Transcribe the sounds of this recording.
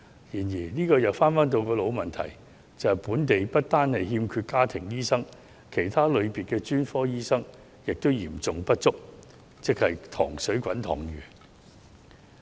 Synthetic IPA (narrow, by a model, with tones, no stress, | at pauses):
jiː˨˩njiː˨˩niː˥kɔː˧jɐ˨˩wfaː˥nfaː˥nt̪o˧wkɔː˧lo˨˧wmɐ˨nt̪ʰɐ̰˨˩j | t͡sɐ˨puː˨˥nt̪e˨jpɐ˥t̚t̪aː˥nhɐ˨jɦiː˧mkʰyː˧t̚kaː˥t̪ʰɪ˨˩ŋjiː˥sɐ˥ŋ | kʰe˨˩jt̪ʰaː˥lɵ˨˧ɥpiː˨t̚kɛː˧t͡ʃyː˥nfɔː˥jiː˥sɐ˥ŋ | jɪ˨k̚t̪o˥wjiː˨˩mt͡sʊ˨ŋpɐ˥t̚t͡sʊ˥k̚ | t͡sɪ˥k̚hɐ˨jt̪ʰɔ̰ː˨˩ŋsɵ˨˥ɥkʷɐ˨˥nt̪ʰɔ̰ː˨˩ŋjyː˨˩